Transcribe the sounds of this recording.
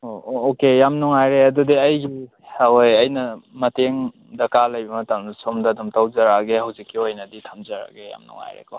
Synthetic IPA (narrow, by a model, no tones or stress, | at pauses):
ookejamnuŋajɾeɐdudiɐjɡi | awojɐjnɐmɐteŋ | dɐkalɐjbɐmɐtamsomdɐdumtawzɐɾaɡehɐwzikːiojnɐditʰamzɐɾa̰ɡeja̰mnṵŋa̰jɾḛkɔ